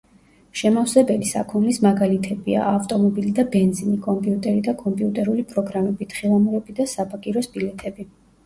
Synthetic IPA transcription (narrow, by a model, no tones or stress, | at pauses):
ʃɛmafsɛbɛlisa̰kʰumlismaɡalit̪ʰɛbia̰aft̪ʼɔmɔbilid̪abɛnd̪zinikʼɔmpʼiut̪ʼɛɾid̪akʼɔmpʼiut̪ʼɛɾulipʼɾɔɡɾamɛbit̪ʰχilˠamuɾɛbid̪asabakʼiɾɔsbilɛt̪ʰɛbi